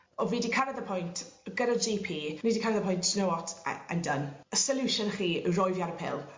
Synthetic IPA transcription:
ɔvidikʰaɾɛðəpʰʊjntʰɡ̥əɾad͡ʒipʰiːniːdikʰaɾɛðəpʰʊjntsnowɔtʰə̰ndənəsəljuʃənχiːrɔjvjaɾəpʰɪ̰lˠ

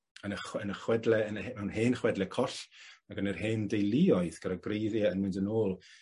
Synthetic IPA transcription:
ənəχənəχwɛdlɛənmɛwnheːnχwɛdlɛkʰɔɬaɡənərheːndejlˠɪɔɨθɡ̥aɾɔɡrejðjaənmɪndənoːlˠ

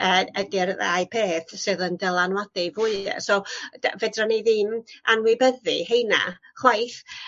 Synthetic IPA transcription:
əːəɡɪrða̰jpʰeːθsɨðəndɛlˠanwadɨvʊɨ̰sɔd̥avɛdraniðɨːnanwɪbəðɨhejna̰ | χwajθ

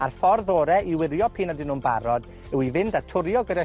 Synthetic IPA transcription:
arfɔrðoːɾɛʔiwɪɾjɔpʰiːnadɪnunbaɾɔd | ɛwivɪndatʰʊɾjɔɡəɾɛ

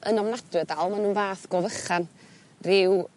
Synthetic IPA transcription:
ʔənɔmnadwɨdalˠmanuːnvaːθɡ̥ɔvəχan | rɪw

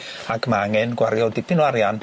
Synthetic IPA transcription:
akmaŋɛnkwaɾiod̪ipinwaɾian

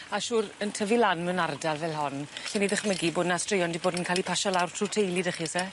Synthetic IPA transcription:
aʃuːɾəntʰəvilanmɛwnardalˠvɛlˠɦɔnɬɛnidəχməɡiboːdnastrɪjɔndiboːdənkʰaːlipʰaʃɔlawrtʰrutʰejlˠidəχisɛ

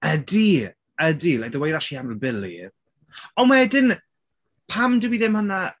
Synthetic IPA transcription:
ədi | ədiːlaðəwejðaʃiaməlbɪlḭ | ɔnwaɛdɪn | pʰamdəwiðɪmhəna

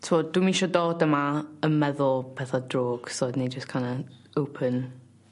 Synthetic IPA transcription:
tʰod̥wimiʃɔdoːdəmaəmɛðʊlˠpʰɛθadroːɡ̥soːdned͡ʒəskʰanə | owpʰən

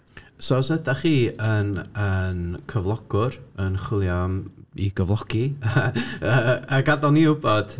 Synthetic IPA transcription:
sosədaχiːənənkʰəvlˠɔɡ̥ʊɾənχwɪlˠjamḭɡəvlˠɔɡ̥i | əːɡadɔniʊbɔd̥

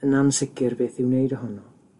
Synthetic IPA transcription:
ənansɪkʰɪrbeːθɪwnejdɔɦɔnɔ

